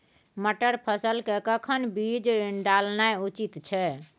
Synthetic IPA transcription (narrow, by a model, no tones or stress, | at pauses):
məʈəɾpʰəsəlkekəkʰənbid͡ʒɾɖalnajut͡ʃit̪t͡ʃʰɛ